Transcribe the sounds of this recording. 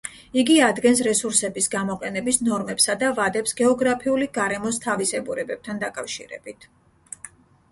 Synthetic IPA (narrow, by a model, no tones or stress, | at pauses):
iɡiad̪ɡɛnsɾɛsuɾsɛbisɡamɔqʼɛnɛbisnɔɾmɛpsad̪avad̪ɛpsɡɛɔɡɾapʰiuliɡaɾɛmɔst̪ʰavisɛbuɾɛbɛb̚t̪ʰand̪akʼafʃḭɾɛ̰bit̪ʰ